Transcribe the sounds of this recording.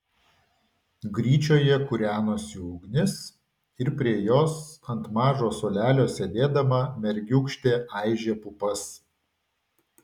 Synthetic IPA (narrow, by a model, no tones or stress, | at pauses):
ɡɾʲiːt͡ʃʲoːjɛkʊɾʲæːnoːsʲuːɡnʲɪs | ɪɾpʲɾʲiɛjoːsɐnt̪mɑːʒoːsoːlʲæːlʲoːsʲɛd̪ʲeːd̪ɐmɐmʲɛɾʲɡʲʊkʃʲt̪ʲeːʔɑˑɪʒʲeːpʊpɐs